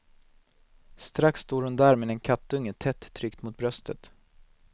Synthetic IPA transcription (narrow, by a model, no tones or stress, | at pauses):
st̪ɾaksːt̪oːɾhɵnd̪æːɾmeːd̪ɛnkʰat̪ːɵŋːət̪ʰɛt̪ʰːɾʏkt̪mʊt̪̚bɾœst̪ʰət̪